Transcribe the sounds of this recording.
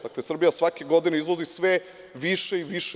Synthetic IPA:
d̪aklesr̩bijasʋake̞ɡo̞d̪ineizʋozisʋe | ʋiʃe̞iʋiʃ

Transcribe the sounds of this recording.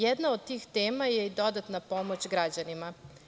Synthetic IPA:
jed̪nao̞d̪̚t̪iːxt̪e̞ːmaje̞id̪o̞d̪at̪napo̞mo̞t͡ɕɡɾad͡ʑanima

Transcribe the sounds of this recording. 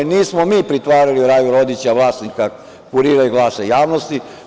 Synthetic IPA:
niːsmomiːpɾit̪ʋaːɾaliɾaːjuɾod̪it͡ɕaʋlˠaːsnika | kuɾiːɾajuɡlaːsejaːʋnost̪i

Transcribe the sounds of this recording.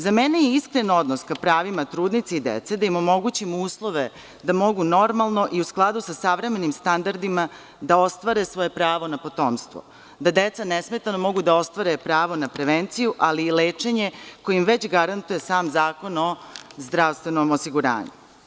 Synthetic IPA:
zamenejeiskɾeno̞d̪noskapɾaːʋimat̪ɾuːd̪nit̪seid̪ḛt̪sed̪aimomo̞ɡut͡ɕimuːslˠo̞ʋe | d̪amo̞ɡuno̞ɾmalˠno̞ʔiusklˠad̪usasaʋɾeme̞nimst̪and̪aɾd̪ima | d̪ao̞st̪ʋaɾe̞sʋo̞je̞pɾaːʋo̞napo̞t̪oːmst̪ʋo̰ | d̪ad̪et̪sanesme̞t̪anomo̞ɡud̪ao̞st̪ʋaɾe̞pɾaːʋo̞napɾe̞ʋent̪sijuʔaliːleːt͡ʂe̞ɲe̞kojimʋet͡ɕɡaɾant̪uje̞saːmzaːko̞no̞zd̪ɾaʋst̪ʋe̞nomosiɡuɾa̰ːɲṵ

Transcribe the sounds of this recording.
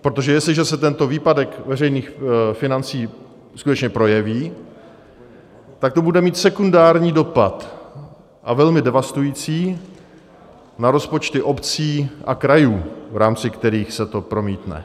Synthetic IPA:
pɾot̪oʒɛjɛslɪʒɛsɛt̪ɛnt̪o̞viːpadɛkvɛrɛjniːxfɪnant͡siː | skut̪ɛt͡ʃɲɛpɾo̞jɛviː | t̪ak̚t̪o̞budɛmiːt̪sɛkundaːɾɲiːdo̞pat̪ | ʔavɛlmɪdɛvast̪ujiːt͡siː | naɾo̞spo̞t͡ʃt̪ɪʔo̞pt͡siːʔakɾajuːvɾaːmt͡sɪkt̪ɛɾiːxsɛt̪o̞pɾo̞miːt̪nɛ̰

